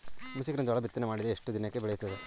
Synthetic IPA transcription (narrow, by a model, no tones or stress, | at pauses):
musikɾɐnd̪aɭɐbit̪ːɐnemaːɽid̪eeʂʈud̪injɐkːebɛɭejst̪ɐd̪e